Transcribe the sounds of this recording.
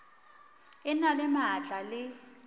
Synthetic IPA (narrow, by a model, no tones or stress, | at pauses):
ɪnalɪmaːt͡ɬʼalɪ